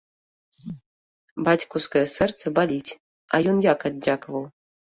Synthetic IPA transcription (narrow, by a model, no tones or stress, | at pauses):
bɑtʲkuskɤ̆sɨ̆rt͡sɘ̆bɑlʲitʲ | ɑ̰junjɑkɑd̪̚ʲd͡ʑɑkvɤlˠ